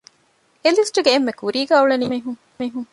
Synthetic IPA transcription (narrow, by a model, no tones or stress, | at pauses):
elisʈuɡeːmːekuɾiːɡæːuɭeniɦu | iːɦuŋ